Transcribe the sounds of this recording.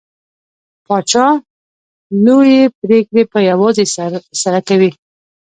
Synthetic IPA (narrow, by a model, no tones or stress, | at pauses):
pɑt͡ʃɑ | nojepɾekɽepəjawɑzesaɾakawi